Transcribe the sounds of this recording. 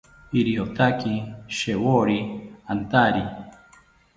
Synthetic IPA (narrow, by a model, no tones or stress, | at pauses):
iɾiot̪akiʃewoɾiant̪aɾi